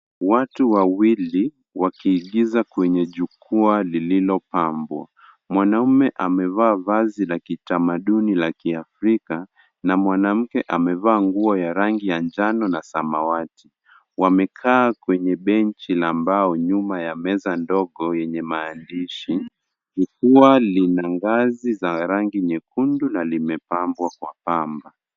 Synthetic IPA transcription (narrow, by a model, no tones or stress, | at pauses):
watuwawili | wakiːɠizakwɛɲɛʄukualililɔpambwa̰ | mwanaumɛʔamɛvaːvazilakitamaɗunilakiafɾika | namwanam̩kɛʔamɛvaːŋɡuɔjaɾaŋɡijand͡ʒanɔnasamawati | wamɛkʰaːkwɛɲɛɓɛnt͡ʃilambaɔɲumajamɛzandɔɠɔjɛɲɛmaːndiʃi | hikuwalinaŋɡazizaɾaŋɡiɲɛkʰundunalimɛpambwakwapamba